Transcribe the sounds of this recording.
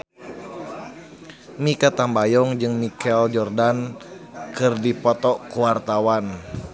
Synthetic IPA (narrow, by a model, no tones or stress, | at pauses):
mikat̪ambajɔŋd͡ʒɨŋmikɛld͡ʒɔrdan | kɨrdipɔt̪ɔkuwart̪awan